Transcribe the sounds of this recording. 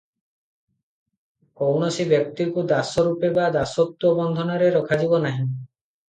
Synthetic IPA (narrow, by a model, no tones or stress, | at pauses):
kowɳɔsibjɔk̚t̪ikud̪asɔɾupebad̪asɔt̪wɔbɔnd̪ʱɔnɔɾeɾɔkʰad͡ʒibɔnaɦĩ